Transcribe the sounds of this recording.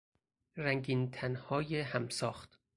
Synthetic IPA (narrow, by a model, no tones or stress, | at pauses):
ɾæŋɡiːnt̪ʰænhɒːjehæmsɒːxt̪